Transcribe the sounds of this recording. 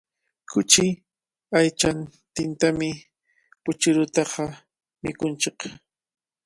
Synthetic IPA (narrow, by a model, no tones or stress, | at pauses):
kʰʊt͡ʃɪ | ajt͡ʃant̪ɪnt̪amɪ | pʊt͡ʃʊɾʊt̪ɑqɑ | mɪkʊnt͡ʃɪq